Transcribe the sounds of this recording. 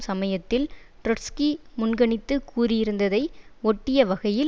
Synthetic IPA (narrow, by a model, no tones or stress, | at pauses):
sɐmɐjɐt̪ːɪl | ʈɾɐskimʊnɡɐɳɪt̪ːɯkːuːɾɪjɪɾɯnd̪ɐðɐɪɔʈːɪjɐʋɐɣɐjɪl